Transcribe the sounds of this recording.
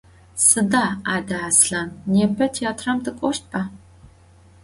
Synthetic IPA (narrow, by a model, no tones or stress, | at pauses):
sɨdaːaːdɐʕasɬaːnːeːpʰɐtʰeaːtʰrɐmtʰɨkʷʼɔʃt̚pʰʼa